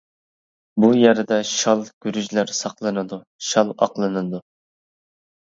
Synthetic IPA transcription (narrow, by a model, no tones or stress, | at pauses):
bujæɾɪd̪ɛʃɑlˠɡ̥ʲyɾyʒlæɾsɑqlˠɨnɨd̪u | ʃɑlˠɑ̰qlˠɨnɨd̪u